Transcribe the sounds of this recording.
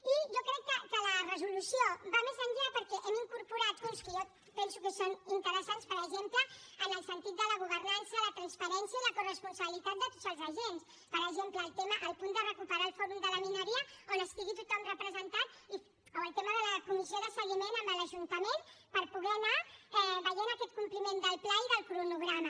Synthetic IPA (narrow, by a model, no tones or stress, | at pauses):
iʒokɾɛkːəkələrəzulusiobamezəɲʲʎapəɾkɛʔɛmiŋkuɾpuɾat̪̚ɣunskəjo | pɛnsukəsonint̪əɾəsanspəɾəʒempləːnəlˠsənt̪it̪̚d̪ələɣuβ̞ərnansjələt̪ɾənspəɾɛnsjəiləkurəspunsəβilit̪at̪̚d̪ət̪o̥tzəlˠzəʒens | pəɾəʒempləːlˠt̪eməʔəlˠpund̪ərəkupəɾaːlˠfɔɾumd̪ələminəɾiəonəst̪iɣit̪ut̪ɔmrəpɾəzənt̪at̪ | oəlˠt̪eməðələkumizioðəsəɣimenəmbələʒunt̪əmenpəɾpuɣɛnaɛβəjenəkɛt̪̚kumplimend̪əlˠplaiðəlˠpɾunuɣɾamə